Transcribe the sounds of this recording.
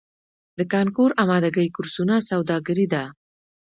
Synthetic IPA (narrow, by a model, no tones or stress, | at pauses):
d̪əkɑŋkuɾamɑd̪aɡəjkʊɾsunasawd̪ɑɡəɾid̪a